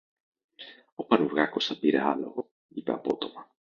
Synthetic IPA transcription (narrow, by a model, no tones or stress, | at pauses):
opɐnuvɣɐko̞sθɐpiɾeɐ̰lo̰ɣo | ipḛɐpo̞t̪o̞mɐ